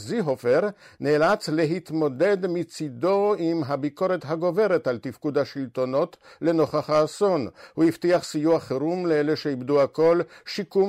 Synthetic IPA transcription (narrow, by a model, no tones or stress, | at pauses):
ziɦofeʁneːlat͡sleɦit̪mo̞d̪e̞d̪mit͡sid̪o̞imɦabiko̞ʁe̞t̪ɦaɡo̞ve̞ʁet̪alt̪ifkud̪haʃilt̪ono̞t̪le̞no̞χaχaːso̞nhujift̪iaχsijuaχeʁumleeleʃejibd̪uako̞lʃikum